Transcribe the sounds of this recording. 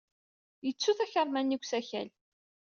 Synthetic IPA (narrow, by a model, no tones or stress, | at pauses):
jət͡sːuθæçəɾˤmænːiɡʷsæçæ̰l